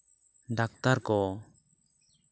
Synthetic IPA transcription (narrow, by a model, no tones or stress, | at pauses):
ɖak̚t̪aɾkɔ